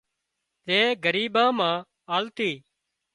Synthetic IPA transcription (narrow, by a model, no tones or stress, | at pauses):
t̪eːɡəɾiːbãːmãː | aːlt̪iː